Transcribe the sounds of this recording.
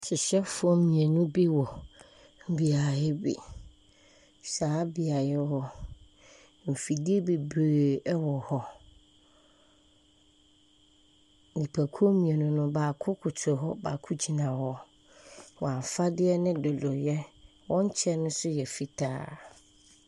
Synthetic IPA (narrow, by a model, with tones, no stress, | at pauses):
t͡ɕʰɪ˨ɕɛ˦fʊ˦ɔ˦mĩ˨ɛ˨nũ˦bi˦wɔ˨ | m̩˨bi˨a˨jɛ˦bḭ˨ | saː˨˦bi˨a˨jɛ˦hɔ˦ | m̩˨fi˨dɪ˦e˦be˨be˨ɛ˦wɔ˨hɔ˦ | nĩ˨pʰa˨kʰu˦o˦mĩ˨ɛ˨nʊ̃˦nʊ̃˦baː˨kʰʊ˦kʰʊ˨tʰʊ˨ɦɔ˦ba˨kʰʊ˦d͡ʑi˨nã˨hɔ˦ | wɔ˨ã˨m˨fa˦dɪ˦ɛ˦nɪ̃˦dɔ˨lɔ˨jɛ˦ | wɔ̃˦ɲ˦t͡ɕʰɛ˦nʊ̃˦sʊ˦jɛ˨fi˦tʰa̰ː˦